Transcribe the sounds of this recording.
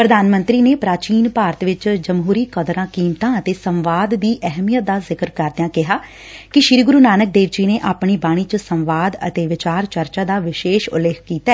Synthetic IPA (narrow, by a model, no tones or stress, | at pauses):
pɾəd̪aːnmə̃nt̪ɾiːneːpɾaːt͡ʃiːnpaːɾət̪ʋɪt͡ʃd͡ʒəmɦuːɾiːkəd̪ɾãːkiːmt̪ãːət̪eːsəmʋaːd̪ːiːʔɛɦmijət̪̚d̪aːzɪkəɾkəɾd̪ejãːkɪɦaː | kɪʃɪɾiːɡʊɾuːnaːnək̚d̪eːʋd͡ʒiːneːʔaːpɳiːbaːɽ̃iːt͡ʃəsəmʋaːd̪ə̰t̪eːʋɪt͡ʃaːɾt͡ʃəɾt͡ʃaːd̪aːʋɪʃeːʃʊ̰lːeːkʰkiːt̪aːɛː